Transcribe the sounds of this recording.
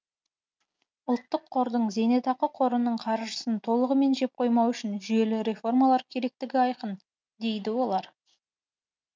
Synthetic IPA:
ʊlˠt̪ːəqʰːo̞ɾd̪əɴze̞ne̞t̪ɑqəqʰo̞ɾənəɴqʰɑɾʒəsənt̪ʰo̞lˠəʁəme̞nʒe̞p̚qʰo̞jmɑwʏʃɪnʒʏje̞lɪɾe̞fo̞rmalˠɑɾkʲʰe̞ɾe̞k̚t̪ɪɡʲɪɑjqən | d̪e̞jd̪ɪwo̞lˠɑɾ

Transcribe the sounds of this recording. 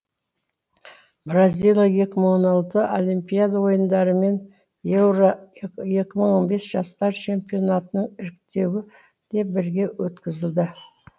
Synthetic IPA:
brazʲijlˠjaje̞kʲɪməɴwo̞nɑlˠt̪əʔolimpʲijad̪awo̞jənd̪ɑɾəme̞n | jeɾje̞kʲɪməɴonbe̞sʒ̥ɑst̪ɑɾt͡ʃʰe̞mpʲijo̞nat̪ənəɴɪɾɪk̚t̪e̞wɪ | d̪̥e̞p̚bɪɾɡʲe̞wɵt̪kʲɪzɪld̪ɪ

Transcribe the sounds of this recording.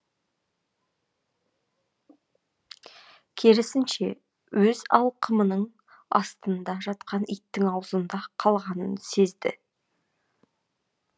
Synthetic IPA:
kʲʰe̞ɾɪsɪnʃe̞ | wɵzɑ̰lˠqʰəmənəɴ | ɑ̰st̪ənd̪ɑʒɑt̪qʰɑnijt̪ːɪŋɑwəzənd̪ɑqʰɑlˠʁɑnənse̞zd̪ɪ̰

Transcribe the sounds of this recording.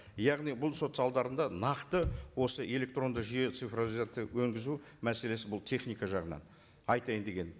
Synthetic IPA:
jɑʁnijbʊlˠso̞t̪sɑlˠd̪ɑɾənd̪ɑnɑqt̪əwo̞səʔe̞lʲe̞k̚t̪ro̞nd̪əʒije̞t̪sɨfrozizat̪ːəwɵŋɡʲɪzu | mæse̞le̞sɪbʊlˠt̪ʰe̞χnijkɑʒɑʁənɑ̰n | ɑjt̪ɑjənd̪e̞ɡʲe̞n

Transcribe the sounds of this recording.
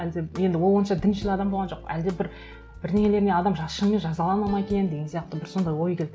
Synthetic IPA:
æld̪eje̞nd̪ɪwolˠwo̞nʃɑd̪ɪnʃɪlʲɪɑd̪ɑmbolˠʁɑnʒo̞qæld̪ebɪɾ | bɪɾneŋʲe̞le̞ɾɪne̞ɑd̪ɑmʒɑsʃənme̞nʒɑzɑlˠɑnɑlˠnʁɑŋkʲʰejend̪e̞ɡʲensijɑq̚t̪əbɪɾso̞nd̪ɑjwo̞jkʲel

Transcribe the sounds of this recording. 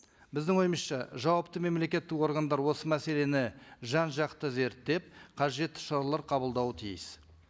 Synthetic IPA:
bɪzd̪ɪŋo̞jəməsʃɑʒɑwɑpt̪əme̞mle̞kʲe̞t̪ːɪko̞ɾɡand̪ɑɾwo̞səmæse̞le̞nɪʒɑnʒɑqt̪əze̞ɾt̪ːe̞p̚qʰɑʒe̞t̪ːɪ̥ʃɑɾɑlˠɑɾqʰɑbəlˠd̪ɑwət̪ʰijɪs

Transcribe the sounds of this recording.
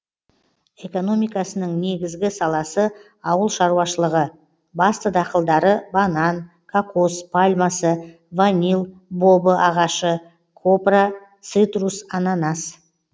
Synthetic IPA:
e̞ko̞no̞mijkɑsənəɴne̞ɡʲɪzɡʲɪsɑlˠɑsə | ɑwəlˠʃɑɾuwɑʃəlˠəʁə | bɑst̪əd̪ɑqəlˠd̪ɑɾəbɑnɑn | kʰakospʰalʲmasə | vanʲilˠbo̞bəʔɑʁɑʃə | kʰo̞pra | t̪sɨt̪rusɑnɑnɑs

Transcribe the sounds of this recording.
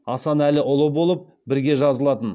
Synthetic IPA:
ɑsɑnælɪʔʊlˠəbo̞lˠəp̚ | bɪɾɡʲe̞ʒɑzəlˠɑt̪ən

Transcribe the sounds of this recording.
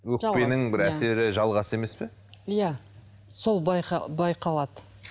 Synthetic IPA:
wɵkʒpe̞nɪŋbɪɾæse̞ɾɪʒɑlˠʁɑsəe̞me̞spe | ijæ | so̞lˠbjbɑjqʰɑlˠɑd̪ə

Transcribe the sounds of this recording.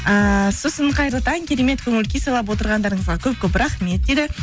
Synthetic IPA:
əso̞səɴqʰɑjɾəlˠt̪ɑŋkʲʰe̞ɾe̞me̞t̪kʲʰɵŋɪlkʲesɑlˠɑp̬wo̞t̪əɾʁɑnd̪ɑɾəɴəzʁɑkʲʰɵp̚kʲʰɵp̬ɾɑχme̞t̪̚d̪ed̪ɪ

